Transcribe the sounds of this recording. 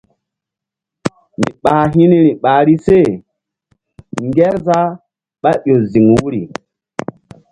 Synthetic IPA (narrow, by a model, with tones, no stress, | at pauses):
mḭ˨ɓa˨ɦi˦ni˦ɾi˨ɓa˨ɾi˦se˦˨ | ŋɡɛ˦ɾza˦ | ɓa˦ɓo˨zi˨ŋwu˦ɾi˨